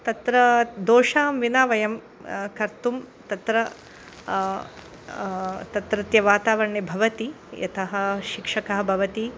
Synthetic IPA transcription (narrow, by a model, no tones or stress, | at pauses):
t̪ɐt̪ɾɐd̪oːʂaːmʋinaːʋɐjɐm | kɐɾt̪um | t̪ɐt̪ɾɐ | t̪ɐt̪ɾɐt̪jɐʋaːt̪aːʋɐɳːebʱɐʋɐt̪i | jɐ̰t̪ʰɐɦɐ̆ʃikʂɐkɐɦɐbʱɐʋɐt̪i